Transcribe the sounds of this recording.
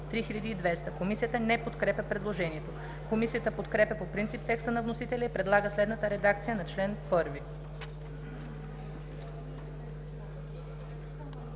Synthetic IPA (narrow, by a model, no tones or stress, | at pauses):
t̪ɾixilʲɐd̪iːd̪vɛst̪əkomisijət̪ənɛpot̪kɾɛpʲjɛpɾɛd̪lˠoʒɛniɛt̪o | komisiət̪əpot̪kɾɛpʲjɐpopɾint̪sip̚t̪ɛkst̪ənɐvnosit̪ɛlʲɛipɾɛd̪lˠaɡəslɛd̪nət̪əɾɛd̪akt̪sijənɐt͡ʃlɛnpɤɾvi